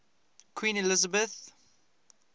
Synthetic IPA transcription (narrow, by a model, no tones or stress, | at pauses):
kʰw̥ĩːnɪlɪzəbəθ